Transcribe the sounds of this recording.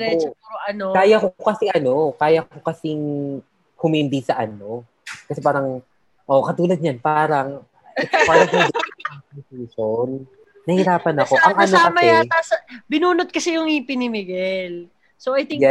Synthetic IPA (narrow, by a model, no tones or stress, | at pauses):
ɾɛt͡ʃoʔɐnokaːjɐkokɐsiʔɐno̞kaːjɐkkokɐsɪŋ | hʊmɪmbisɐʔɐno̞ | kɐsɛpaːɾɐŋ | ʔoʔkɐt̪uːlɐd̪̚ɲanpaːɾɐŋ | ʔɛt̪opaːɾɾɐŋkʊŋd̪ɐŋknsuːsonː | ɐhiɾaːpɐnko̞ʔɐŋʔɐnoaɐmɐjat̪asɐbɪnuːnot̪̚kɐsɛjʊŋipɪnɪmɪɡɛl | soʔɐjt̪ɪjɛ